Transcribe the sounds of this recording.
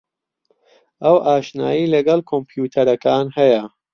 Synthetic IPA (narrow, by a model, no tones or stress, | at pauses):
ʔɐwʔaːʃna̰ːjiːlɐɡɐlkʰompjuːt̪ʰɐɾɐkaːnhɐjɐ